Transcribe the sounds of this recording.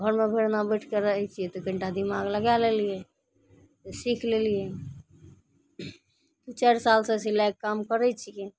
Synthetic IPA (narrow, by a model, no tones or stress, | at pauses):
ɡʱəɾmebʱeɽnabəʈʰkeɾəɦɛjt͡ʃʰijɛt̪ɔɡə̃ɳʈad̪imaɡləɡalelijɛ | t̪ɔsikʰlelijɛ | t̪ɔt͡ʃaɾsalsesilajkkamkəɾɛt͡ʃʰijɛ